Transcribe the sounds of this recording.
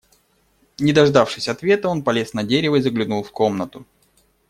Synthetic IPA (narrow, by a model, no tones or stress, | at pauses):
nʲɪd̪ɐʐd̪afʂɨsʲɐt̪vʲet̪əo̞npɐlʲe̞snɐdʲeɾʲɪvəizəɡlʲɪnulˠfko̞mnət̪ʊ